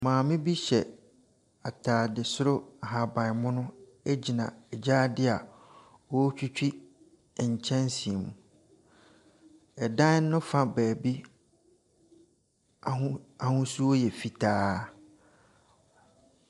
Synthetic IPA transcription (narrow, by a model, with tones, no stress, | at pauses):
mãː˨mɪ̃˦bi˦ɕɛ˨ | a˨tʰaː˨dɪ˨sʊ˦ɾʊ˦a˨ɦa˨bã˨n˨mʊ̃˦nʊ̃˦ | ɛ˦d͡ʑi˨nã˨ɛ˨d͡ʑaː˦dɪ˦a˨ | ɔ˦t͡ɕᶣu˦t͡ɕᶣi˦˨ | ɲ̩˨t͡ɕʰɛ̃˦nsi˨e˨mũ˨ | ɛ˨dã˦n˦nʊ̃˦fã˦bæː˨bi˦ | a˨hʊ̃˦su˦o˦jɛ˨fi˨tʰaː˦